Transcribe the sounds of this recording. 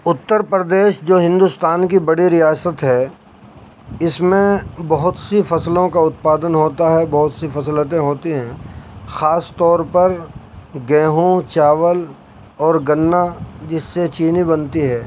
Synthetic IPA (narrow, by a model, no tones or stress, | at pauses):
ʊt̪ːəɾpɾəd̪eːʃd͡ʒoːɦɪ̃nd̪ʊst̪aːnk̬ibɐɽiɾijaːsət̪ɦɛː | ɪsmẽbɐɦʊt̪sifɐslõkaʊt̪̚paːd̪ənɦoːt̪aɦɛbɐɦʊt̪sifɐslət̪ẽɦoːt̪iɦɛ̃xaːst̪ɔːɾpɐɾɡɛ̃ːɦũt͡ʃaːʋəl | ɔːɾɡɐnːad͡ʒɪsːet͡ʃiːnibɐnt̪iɦɛː